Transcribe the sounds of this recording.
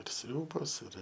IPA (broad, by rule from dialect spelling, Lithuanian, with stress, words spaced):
ɪr ˈsʲrʲuːboːs ɪr